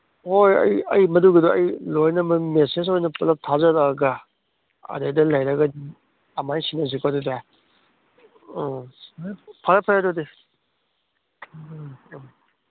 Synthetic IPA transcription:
hojɐ̰jɐ̰jmɐduɡɐduɐjlojnɐmɐmeses̬ojnɐpɐlɐk̚tʰazɐɾaɡɐ | ɐ̰dejdɐlɐjɾɐɡɐ | ɐmajsinɐzukaduda | pʰaɾɐpʰajadɔde

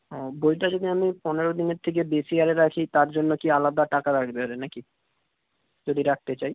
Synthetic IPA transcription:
ɦɔbolʈ̪̬ad͡ʑod̪iamipɔneɾod̪ineɾt̪ʰek̬ebesiaɾeɾakʰit̪aɾd͡ʑonːokialad̪aʈakaɾaɡʰbeɦoɾenaki | d͡ʑod̪ʱiɾak̚ʰt̪et͡ɕaj

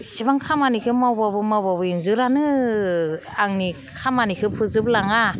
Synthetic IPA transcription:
sibaŋkʰamanikʰɯmawbabɯmawbabɯinzɯɾanɯ | aŋni | kʰamanikʰɯpʰɯzɯblaŋa

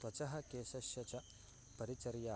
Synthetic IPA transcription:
wɐt͡ʃɐɦɐ̆keːsɐʃjɐt͡ʃɐ | pɐɾit͡ʃɐɾjaː

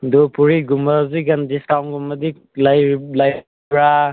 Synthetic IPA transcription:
dopuɾiɡumbaziɡɐndisawnɡumɐdi | lajlaj | bɾa

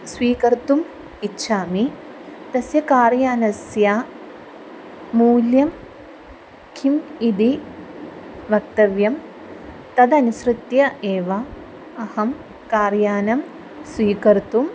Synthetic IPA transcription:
sʋiːkɐɾt̪um | itːʃʰaːmi | t̪ɐsjɐkaːɾjaːnɐsja | muːljɐm | kʰimid̪i | ʋɐk̚t̪ɐʋjɐm | t̪ɐd̪ɐnusɾut̪jɐʔeːʋɐ | ɐhɐm | kaːɾjaːnɐm | sʋiːkɐɾt̪um

